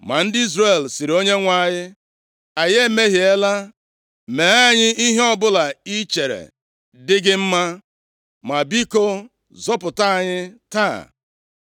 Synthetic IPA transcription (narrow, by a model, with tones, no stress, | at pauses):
ma˨n̩˦dɪ˦i˦zre˨lsi˨ɾo˦ɲe˦ŋʷa˦˨ɲɪ˦ | a˨je˦me˦ɦi˨e˦la˦ | me˨a˦ɲɪ˦i˦ɦe˦ɔ˦bʊ˦la˨i˦t͡ʃe˨ɾḛ˨ | dɪ˦ɡɪ˦m̩˦ma˦ | ma˨bi˦ko˦ | zɔ˦pʊ˨ta˦˨ɲɪ˦ta̰˦˨